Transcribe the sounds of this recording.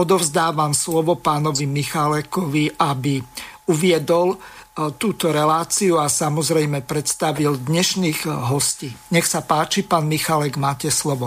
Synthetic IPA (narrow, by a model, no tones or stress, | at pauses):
ɔd̪ɔvzd̪aːʋamslɔʋɔpaːnɔʋimixalɛkɔʋiʔabiuʋɪɛd̪ɔlt̪uːt̪ɔɾɛlaːt͡siuasamɔzɾɛjmɛpɾɛt̪st̪aʋild̪ɲɛʃniːɣɦɔsciːɲɛxsapaːt͡ʃipaːnmixalɛɡmaːcɛslɔʋɔ